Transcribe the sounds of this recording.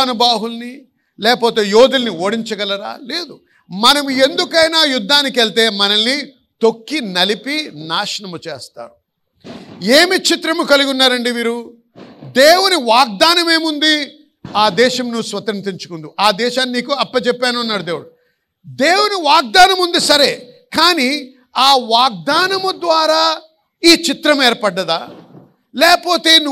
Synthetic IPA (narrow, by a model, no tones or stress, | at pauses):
nɐbaːɦulni | lɛːkɐpoːt̪e̞ːjoːd̪ulɐnioːɽiɲt͡ʃɐɡɐlɐɾa̰ːle̞ːd̪u | mɐnɐmue̞nd̪ukɐjnaːjud̪ʱːaːnikelt̪e̞ːmɐnɐnːi | t̪o̞kːinɐlipinaːʃɐɳɐmut͡ʃeːst̪a̰ːɾu | eːmit͡ʃit̪ɾɐmukɐluɡunːaːɾɐɳɖiʋiːɾu | d̪eːwuniʋaːɡ̚d̪aːnɐme̞ːmund̪i | aːd̪ɛːʃɐmnusʋɐt̪ɐɾnt̪iɲt͡ʃu̥kund̪iʔaːd̪ɛːʃaːnːiniːkuɐpːɐt͡ʃɛpːaːnuɐnːaːɾud̪e̞ːwuɽu | d̪eːwuniʋaːɡ̚d̪aːnɐmund̪isɐɾeːkaːni | aːʋaːɡ̚d̪aːnɐmud̪ʋaːɾaː | iːt͡ʃit̪ɾɐmeːɾpɐɖːɐd̪aː | lɛːpoːt̪e̞ːnu